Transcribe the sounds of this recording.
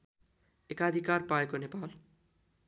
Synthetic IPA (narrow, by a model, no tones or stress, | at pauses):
ekad̪ʱikarpaekonepal